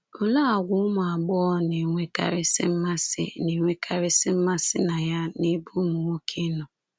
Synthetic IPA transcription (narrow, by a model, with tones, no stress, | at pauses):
ʊ˨la˦a˨ɡʷʊ˦ʊ˦mʊ˨a˨ɡ͡bɔ˦ɔ˦ne˨ŋʷe˦ka̰˦ɾɪ˦sɪ˦m̩˦ma˦sɪ̰˦ni˨ŋʷe˦kʰa˦ɾɪ˦sɪ˦m̩˦ma˦sɪ˦na˨ja˦ni˦bʊ˦mʊ˨ŋo˦kʰe˦nɔ˨